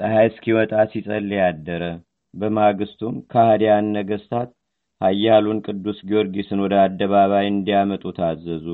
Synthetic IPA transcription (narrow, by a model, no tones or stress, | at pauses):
t̪ʼəɦajskʰiwɔt̪ʼasisʼəlːjad̪ːəɾə | bəmaɡɨst̪ʰumkʰahad̪janːəɡəst̪ʰat̪̚ | hajːalunkʼɨd̪ːusɡio̞ɾɡisɨnwɔd̪əad̪ːəβaβajɨnd̪ijamət̪ʼut̪ʰazːəzu